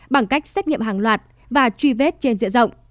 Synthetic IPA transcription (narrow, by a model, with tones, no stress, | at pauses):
ɓa˧˩ŋka˦˥jk̟̚sɛ˦˥k̟̚ɲḭ˧˨əmɦaː˨˩ŋlwaː˨˩t̚ | vaː˨˩t͡ɕwi˧ve˦˥t̚t͡ɕe˧nzɨ̰˧˨əzə̰˧˨wŋ͡m